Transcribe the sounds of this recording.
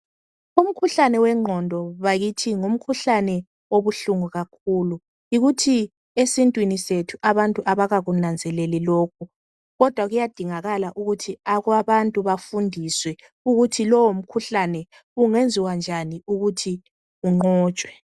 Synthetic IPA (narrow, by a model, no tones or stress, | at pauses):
um̩kʰuɬanɛwɛŋ͡ǃʱɔndʱɔβaɣitʰiŋum̩kʰuɬanɛ | oβuɬuŋuɣakʰuːlu | iɣutʰi | esintʼwinisetʰuʔaβantʼuʔaβaɣaɣunand͡zʱɛlɛliloːkʰu | ɣɔd̥ʱwaɣujad̥ʱiŋaɣalaʔuɣutʰiaɣwaβantʼuβafundʱiswɛ | uɣutʰilɔwom̩kʰuɬanɛ | uŋend͡zʱiwand͡ʒʱaniuɣutʰi | uŋ͡ǃɔːt͡ʃʼwɛ